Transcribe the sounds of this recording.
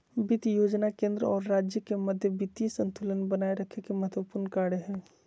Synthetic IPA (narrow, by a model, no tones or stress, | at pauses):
bɪt̪joːd͡ʒnakẽːnd̪ɾəɔːɾːaːd͡ʒjəkemɐd̪ʱjəbɪt̪jisə̃nt̪ʰulənbɐnaːeɾɐkʰekemɐɦət̪wəpuːɾnkaːɽeɦɛ̃ː